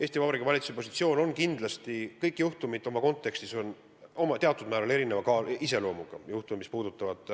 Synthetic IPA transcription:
eːst̪ivɑbɑɾikuvɑlʲit̪susepo̞si̥t̪sio̞ːno̞nkind̪̥lɑst̪ikɤjkːˑjuht̪umid̪̥ˑo̞mɑko̞nt̪ːˑe̞kst̪iso̞n | o̞mɑt̪e̞ɑt̪ːˑud̪̥mæːɾɑne̞ɾinevɑkɑis̬e̞lo̞ːmuɡ̥ɑ̰juht̪ummispuːd̪̥ut̪ːˑɑvɑd̪̥

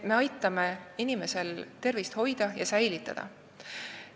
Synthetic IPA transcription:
me̞ɑjt̪ˑːɑmeinime̞se̞lt̪e̞rvist̪ho̞jd̪̥ɑjɑsæjlit̪ːˑɑ̰d̪̥ɑ̰

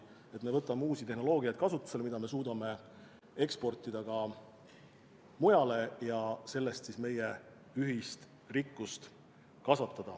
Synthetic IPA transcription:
e̞t̪mevɤt̪ːˑɑmeuːsit̪e̞ɦno̞lo̞ːɡijɑjt̪̚kɑsut̪ːˑu̥se̞lmid̪ɑme̞s̬uːd̪ɑme̞ | e̞kspo̞rt̪ːˑid̪ɑkɑ | mujɑle̞jɑse̞lːe̞st̪sisme̞je̞ | yɦist̪ | rikːˑust̪ | kɑsɑt̪ːˑɑd̪̥ɑ

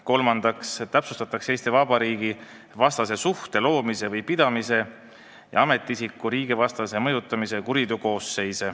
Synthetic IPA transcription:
ko̞lmɑnd̪̥ɑkst̪æpsust̪ɑt̪ːˑɑkse̞ːst̪evɑbɑɾiːɡi | vɑst̪ɑse̞suht̪e̞lo̞ːmise̞vɤjpid̪̥ɑmise̞ | jʔɑ̰ɑme̞t̪ːˑiisikːˑuɾiːɡ̥ivɑst̪ɑse̞mɤjut̪ːˑɑmise̞kuɾid̪̥uko̞ːsːe̞jse

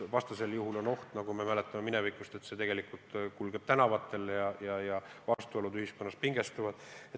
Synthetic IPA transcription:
vɑst̪ɑse̞ljuɦulo̞no̞ht̪nɑɡ̥ume̞mæle̞t̪ːˑɑme̞mine̞vikːˑust̪e̞t̪se̞t̪e̞ɡ̥e̞likult̪kulɡ̥e̞b̥̚t̪ænɑvɑt̪ːˑe̞ljɑjɑjɑvɑst̪uolud̪yhiskonːɑs̚piŋɡe̞st̪uvɑd̪̥et̪

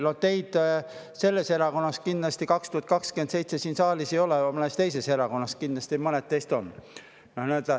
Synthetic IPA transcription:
lolt̪e̞jd̪̥ | se̞lːe̞se̞ɾɑko̞nːɑskind̪lɑst̪ikɑkst̪uhɑt̪kɑkskend̪se̞jt̪se̞siːnsɑːlisejo̞leɑmɤnest̪e̞jse̞se̞ɾɑko̞nːɑskind̪lɑsʲt̪imɤnet̪ːe̞jst̪o̞n | nohnæøt̪ɑ

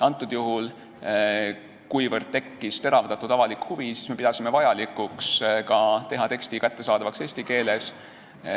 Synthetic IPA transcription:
ɑnt̪ːˑud̪̥juɦul | kujvərd̪̥̚t̪e̞kːist̪e̞ɾɑvd̪ɑt̪ːˑud̪ɑvɑlikhuvisi̥sme̞pid̪ɑsime̞vɑjɑlikːˑukskɑt̪e̞ɦɑt̪e̞ksʲt̪ikæt̪ːe̞sɑːd̪̥ɑvɑkse̞ːsʲt̪ike̞ːles

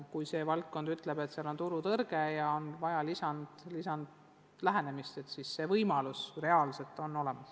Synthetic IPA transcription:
kujse̞ːvɑlt̪̚ko̞nd̪̥yt̪ːˑle̞b̥e̞t̪seɑlo̞nt̪uɾut̪ɤrɡ̥e̞jɑonvɑjɑlisɑnd̪̥lisɑnd̪ | læɦæne̞mist̪e̞t̪sisse̞ːvɤjmɑlusre̞ɑːlse̞lt̪ːˑo̞no̞le̞mɑs

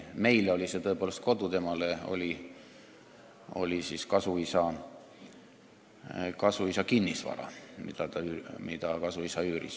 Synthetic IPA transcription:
me̞jleo̞lʲise̞t̪ɤ̞epoːle̞st̪̚ko̞d̪ut̪e̞mɑleo̞̰lʲi | o̞̰lʲisiskɑsuisɑ | kɑsuisɑkinːisvɑ̰ɾɑ̰mḭd̪̥ɑt̪ɑymid̪̥ɑkɑsuisɑyːɾḭs

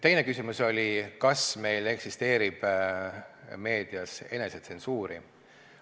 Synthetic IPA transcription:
t̪e̞jne̞kysimuso̞lʲikɑsme̞jle̞ksist̪e̞ːɾib̥ | me̞ːd̪̥iɑse̞̰ne̞set̪se̞nsuːɾi

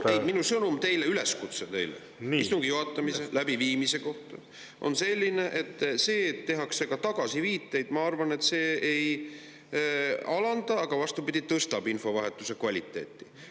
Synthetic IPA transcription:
ej̪minusɤnumt̪e̞jleyle̞skut̪set̪e̞jlḛ | ist̪uŋɡ̥ijoɦɑt̪ːˑɑmiselæbiviːmise̞ko̞ht̪ɑ | ʔo̞̰nse̞lʲːine̞ʔet̪ːse̞ːt̪ːe̞ɦɑkse̞kɑt̪ɑɡ̥ɑsiviːt̪ːˑe̞jd̪̥mɑɑrvɑnet̪se̞ːej | ɑlɑnd̪̥ɑːɡ̥ɑvɑst̪upid̪̥ʲit̪ɤst̪ɑbinfo̞vɑɦe̞t̪ːˑuse̞kvɑlʲit̪ːˑe̞̰ːt̪ːˑi̥

